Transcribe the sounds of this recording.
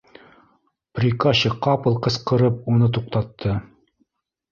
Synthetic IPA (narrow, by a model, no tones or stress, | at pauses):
prʲikaɕɤqɑpɤ̆lˠqɤ̆sqɤ̆ɾɤp̚unɤt̪̬uq̚t̪ɑt̪ʰːɤ